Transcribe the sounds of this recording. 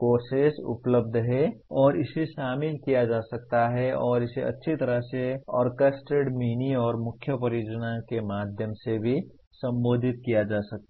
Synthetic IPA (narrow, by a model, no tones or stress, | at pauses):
koːsesʊ̰pləb̚d̪ʱɦɛɔːɾɪseʃaːmɪlkijad͡ʒaːsɐk̚t̪aɦɛɔːɾɪseɐ̰tːʃʰit̪ɐɾəɦseɔ̰ːɾkəsʈɾeɖmiːniɔːɾmʊkʰjəpɐɾjoːd͡ʒənakemaːd̪ʱjəmsebʱi | sɐ̃mboːd̪ʱɪt̪̚kijad͡ʒaːsɐk̚t̪a